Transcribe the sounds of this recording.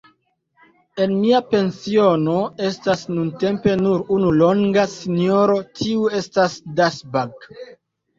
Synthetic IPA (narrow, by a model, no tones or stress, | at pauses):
e̞nmiape̞nsio̞no̞e̞stasnunte̞mpe̞nuɾunulo̞ŋɡasino̞ɾo̞tʰiue̞stasdasbaɡ